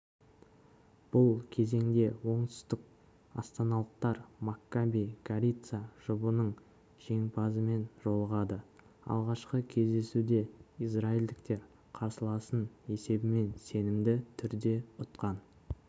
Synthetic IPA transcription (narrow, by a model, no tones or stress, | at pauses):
b̥ʊlˠkʲʰe̞ze̞ŋd̪e̞wo̞ɴt̪ʏ̥st̪ɪk̚ | ɑ̰st̪ɑnɑlˠəq̚t̪ɑɾmakːabijɡ̥aɾʲit̪saʒ̥ʊbənəɴ | ʒ̥e̞ŋpʰɑzəme̞nʒo̞lˠəʁɑd̪ə | ɑ̰lˠʁɑʃqəkʲʰe̞zd̪e̞sud̪e̞israild̪ɪkt̪e̞ɾ | qʰɑɾsəlˠɑsəne̞se̞bɪme̞nse̞nɪmd̪ɪt̪ʰʏɾd̪e̞ʊt̪qɑn